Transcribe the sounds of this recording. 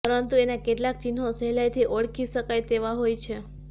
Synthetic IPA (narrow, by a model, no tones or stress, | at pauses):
pəɾənt̪uenakeʈlak̚t͡ʃinɦosɛɦlajt̪ʰiʔoɽkʰiʃəkajt̪eʋaɦojt͡ʃʰe